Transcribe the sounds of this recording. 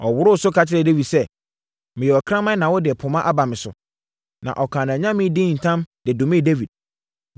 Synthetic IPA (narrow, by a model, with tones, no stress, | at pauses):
ɔ˨wʊ˨˦ɾʊ˦sʊ˦kʰa˨t͡ɕʰɪ˦ɾɛ˨de˦vi˨sɛ˦ | mɪ̃˨jɛ˨ɔ˨kʰɾã˦mã˦nã˨wɔ˦dɪ˨ɛ˨pʰʊ̃˨mã˦ʔa˦ba˨mɪ̃˨sʊ̰˨ | nã̰˨ʔɔ˨kʰã˨nã˨æ˨ɲã˦mɪ̃˦dɪ̃˦˨n̩˨tʰã˦md̥ɪ˨dʊ̃˨mɪ̃˦˨de˦vi˨d̚